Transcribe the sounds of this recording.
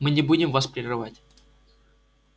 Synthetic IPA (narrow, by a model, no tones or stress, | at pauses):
mɨnʲɪbudʲɪmvaspɾʲɪrɨvatʲ